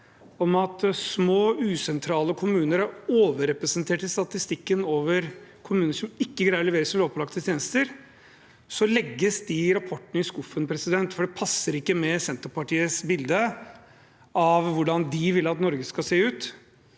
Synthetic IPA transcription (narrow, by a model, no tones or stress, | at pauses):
ɔmɑt̪smoːʉːsɛnt̪ʰɾɑːləkʰʊmʉːnəɾæɾoːʋəɾɛpɾɛsənt̪ʰeːʈɪlst̪ɑt̪ɪst̪ɪkːənoːʋəɾkʰʊmʉːnəʂɔmɪkːəɡɾæɪəlɛʋeːɾəsɔmloːpʰlɑkt̪ət̪ʰjeːnəst̪əɾ | sɔlɛɡːəsd̪ɪɾɑpʰɔʈːəɳəɪskʊfːənpʰɾɛsɪd̪ɛnt̪fɔɖɛpʰɑsːəɾɪkːəmɛsɛnt̪əpɑʈiːəsbɪld̪ə | ʔɑʋʋʊɖɑnd̪ɪʋɪlːɑt̪nɔɾɡəskɑseːʉːt̪